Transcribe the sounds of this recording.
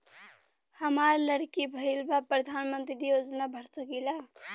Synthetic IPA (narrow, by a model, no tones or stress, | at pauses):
həmaːɾləɽkibʱəilbapɾəd̪ʱaːnmə̃nt̪ɾijoːd͡ʒnabʱəɽsəkilaː